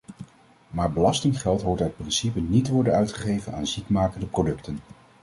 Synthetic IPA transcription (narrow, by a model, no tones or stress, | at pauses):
maːɹbəlɑstɪŋχɛlˠtɦoɹtœt̚prɪnsipənitəʋɔɹdənœɥtχəχejvəna̰ːnzikmaːkəndəprodɵktən